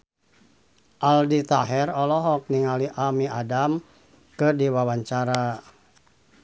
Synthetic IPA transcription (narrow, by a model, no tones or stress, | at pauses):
ʔaldit̪aɦɛrɔlɔɦɔk̚niŋaliʔamiadam | kɨrdiwawaɲt͡ʃaɾa